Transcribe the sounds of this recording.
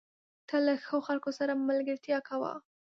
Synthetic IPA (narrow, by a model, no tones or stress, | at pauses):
t̪ʰalaxəoxalkosaɾamalɡəɾt̪jɑkawa̰